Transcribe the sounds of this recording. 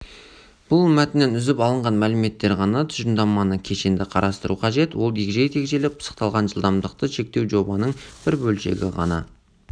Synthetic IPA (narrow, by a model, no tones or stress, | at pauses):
b̥ʊlˠmæt̪ɪnenʏzɪpɑlˠəɴʁɑnmælɪme̞t̪ːe̞ɾʁɑnɑt̪ʰʏʒɪnd̪ɑmːɑnəkʲʰe̞ʃend̪ɪqʰɑɾʔɑst̪əɾuqʰɑʒe̞t̪wo̞lˠd̪eɡʲʒejt̪ʰe̞kʲʒe̞lɪp̚pʰə̥sə̥qt̪ɑlˠʁɑnʒəlˠd̪ɑmd̪əq̚t̪əʃe̞k̚t̪e̞wʒo̞bɑnəɴb̥ɪɾbɵlʃe̞̰ɡʲɪʁɑ̰nɑ̰